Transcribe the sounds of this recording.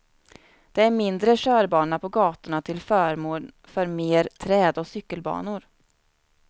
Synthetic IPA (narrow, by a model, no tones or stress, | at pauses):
d̪̥ɛæɾmɪnd̪ɾəɕœːɾbɑːɳapʰɔɡɑːt̪ʊɳat̪ʰɪlfœːɾmoːl | fœɾmeːɾt̪ʰɾɛːd̪ɔsʏkːəlbɑ̰ːnʊɾ